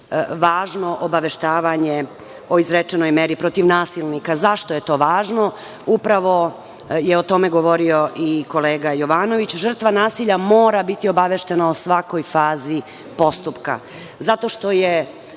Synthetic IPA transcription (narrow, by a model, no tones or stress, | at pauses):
ʋaːʒno̞ʔobaʋe̞ʃt̪aːʋaɲe | o̞izɾet͡ʃenojmeːɾipɾo̞t̪iʋnaːsilnikazaʃt̪oje̞t̪o̞ːʋaːʒno̞ | upɾaʋo̞ | jeo̞t̪o̞meɡo̞ʋo̞ɾio̞ʔiko̞leːɡajo̞ʋaːno̞ʋit͡ɕʒr̩t̪ʋanaːsiʎamo̞ːɾabit̪io̞baʋeʃt̪e̞nausʋako̞jfaːzi | po̞st̪upka̰ | zat̪o̞ʃt̪o̞je